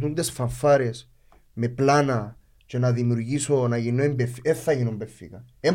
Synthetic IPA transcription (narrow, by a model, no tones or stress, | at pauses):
t̪und̪esfɐɱfːaɾe̞s | me̞planɐ | t͡ʃenaðimjuɾʝiso̞naʝinːoembefeθːɐʝinombefːḭkɐe